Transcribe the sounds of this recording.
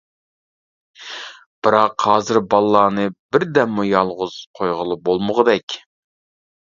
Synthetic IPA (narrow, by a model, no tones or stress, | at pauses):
b̥ɨɾɑqhɑːzɨɾbɑlˠːɑːnɨbɪɾd̪ɛmːujɑlˠʁʊz̥qʰojʁəlˠɨbolˠmʊʁəd̪ɛkʲ